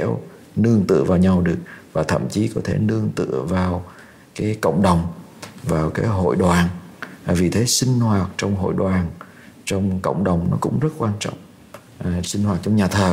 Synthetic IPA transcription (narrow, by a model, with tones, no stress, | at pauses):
e˧˥w | nɨ˧əŋt̪ɨ̰˧˨əvaː˨˩wɲa˨˧wɗɨ˨˩ək̚vaː˨˩t̪ʰə̰˧˨mt͡ɕi˨˦kɔ˨˦t̪ʰe˧˩nɨ˧əŋt̪ɨ̰˧˨əvaː˨˩w | kaː˨˦jkə̰˧˨wŋ͡mɗə˨˩wŋ͡m | vaː˨˩wkaː˨˦jɦo̰˧˨jɗwaː˨˩nː˨˩vi˨˩t̪ʰe˨˦sï˧ŋ̟hwaː˨˩t̚t͡ɕɔ˧wŋ͡mɦo̰˧˨jɗwaː˨˩n | t͡ɕɔ˧wŋ͡mkə̰˧˨wŋ͡mɗə˨˩wŋ͡mnɔ̰˨˦kʊ̰˧˥ŋ͡mzə˦˥t̚kwaː˧nt͡ɕɔ̰˧˨wŋ͡m | sï˧ŋ̟hwaː˨˩t̚t͡ɕɔ˧wŋ͡mɲaː˨˩t̪ʰəː˨˩